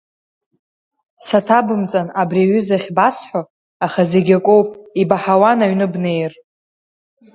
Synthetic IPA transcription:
satʰabɨmt͡sʼanabriɥʏzaχʲbasħʷo | aχaze̞ɡʲakʷʼowpʼibaħawanaɥnɨbne̞jr

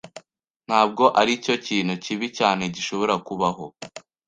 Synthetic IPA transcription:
n̥haːb̚ɡo̞ʔaɾico̞ciːnhuciβicaːne̞ɟiʃo̞βo̞ɾakuβaɦo̞

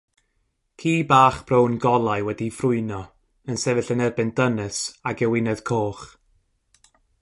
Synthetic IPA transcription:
kʰiːbaːχb̥rownɡɔlˠaɨwɛdifrʊɨnɔ | ənsɛvɨɬənɛrbɨndənɨsaɡɛwɪnɛð̥kʰoːχ

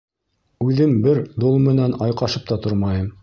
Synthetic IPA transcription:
ʉðɘmbɘɾd̪olˠmɘ̆nænɑjqɑʃɤp̚t̪ɑt̪oɾmɑjɤm

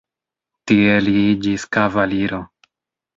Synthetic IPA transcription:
tie̞liid͡ʒiskavaliɾo̞

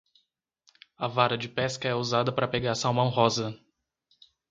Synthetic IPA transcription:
ɐvaɾɐd͡ʒɪpɛskɐɛuzad̪ɐpɾɐpeɡaɾsãwmɐ̃w̃ɦɔzɐ

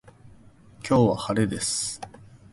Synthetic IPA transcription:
kʲo̞ːβahaɾe̞d̪e̞sɨ̥

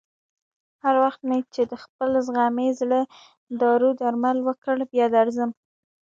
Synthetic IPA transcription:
haɾwaxt̪met͡ʃed̪əxpəlzɣɑmezɽə | d̪ɑɾud̪aɾmalwəkəɽbjɑd̪aɾzəm

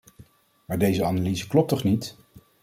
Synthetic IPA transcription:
maːɹdejzəanaliːzəklɔp̚tɔχnit

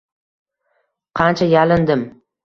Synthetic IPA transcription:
qʰɑnt͡ʃʰajalɪnd̪ɪm

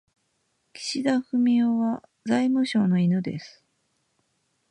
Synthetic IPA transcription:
kʲi̥ɕid̪aɸɯ̟mʲioβazaimɯ̟ɕo̞ːno̞inɯ̟d̪e̞̰sɨ̥

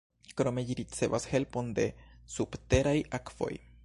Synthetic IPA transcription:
kɾo̞me̞ʎiɾit͡se̞vashe̞lpo̞nde̞̰subte̞ɾajakv̥o̞̰j

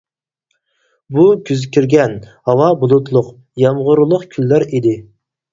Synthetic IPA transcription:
bukʲyzɪkʲʰiɾɡʲɛnhɑwɑbulˠut̪lˠʊq | jɑmʁʊɾulˠʊqkʲʰylːæɾid̪ɪ

